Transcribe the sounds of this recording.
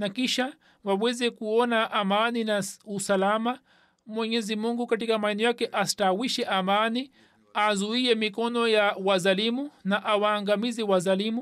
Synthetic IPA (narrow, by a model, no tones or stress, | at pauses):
nakiʃa | wawɛzɛkuɔnaʔamaninausalama | mwɛɲɛzimuŋɡukatikamaɛnijakɛʔasi̥tawiʃɛʔamani | azuiɛmikɔnɔjawazalimunaʔawaːŋɡamizɛwazalimu